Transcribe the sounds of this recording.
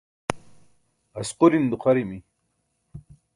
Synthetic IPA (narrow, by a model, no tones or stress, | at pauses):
ɐsquɾind̪uqʰaɾimi